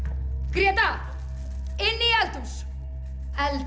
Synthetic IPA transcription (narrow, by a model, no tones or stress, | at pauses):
kɾiɐt̪a | enːijalt̪us | æl